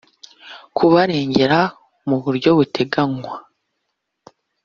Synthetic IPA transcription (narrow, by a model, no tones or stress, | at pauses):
kʰuβaɾe̞ːɲɟe̞ɾa | muβuɾɟo̞βutʰe̞ɡaŋwa